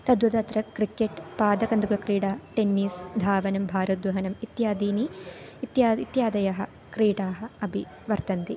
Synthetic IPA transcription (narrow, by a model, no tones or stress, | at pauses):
t̪ɐd̪ʋɐd̪ɐt̪ɾɐkɾikːeʈpaːd̪ɐkɐnd̪uɡɐkɾiːʈaːʈenːiːsd̪ʱaːʋɐnɐmbʱaːɾud̪ʋɐɦɐnɐmit̪jaːd̪iːniit̪jaːit̪jaːd̪ɐjɐɦɐ̆ | kɾiːʈaːɦɐ̆ɐbʱi | ʋɐɾt̪ɐnt̪i